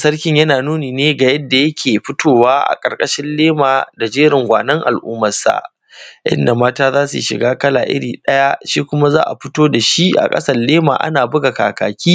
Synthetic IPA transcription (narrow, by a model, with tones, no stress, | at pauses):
sɐ˦rkʲɪ˦ɲjɐ˦naː˨nuː˦niː˨neː˦ɡa˨jɐ˦dːa˨jɐ˦kʲʰeː˨ɸɪ˦tʰoː˦waː˦ʔa̰˨kʼɐ˨rkʼɐ˦ʃɪ˦nleː˦maː˨da˨d͡ʒeː˦ɾɪ˨ŋɡʷa̰ː˨nɐ˦ŋʔa̰˨lʔuː˦mɐ˨sa̰˨ʔ | ʔɪ̰˦nda˨maː˦taː˦zaː˦su˨ʃɪ̰˨ɡaː˦kɐ˦laː˨ʔɪ̰˦ɽḭː˨ɗɐ˦ja˦ʃiː˦kʷʊ˦ma˦za̰ː˦ʔa̰˨ɸɪ˦toː˦da˨ʃi˦ʔa̰˨kʼɐ̰˦sɐ˨rleː˦ma̰ː˨ʔa̰˦naː˨bʊ˦ɡa˨kaː˨kaː˨kʲiː˦